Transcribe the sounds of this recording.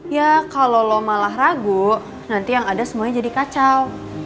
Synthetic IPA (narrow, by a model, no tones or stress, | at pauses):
jakalolomalaɦraɡuʔ | nant̪ijaŋadasəmuaɲad͡ʒadikat͡ʃal